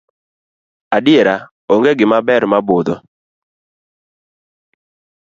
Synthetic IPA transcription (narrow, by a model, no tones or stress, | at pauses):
adɪeɾa | oŋɡeɡɪmabɛɾmabod̪ɔ